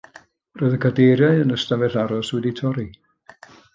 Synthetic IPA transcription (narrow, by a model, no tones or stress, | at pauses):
rɔɨðəkʰadejɾjaɨənəstavɛɬaɾɔswɛditʰɔɾi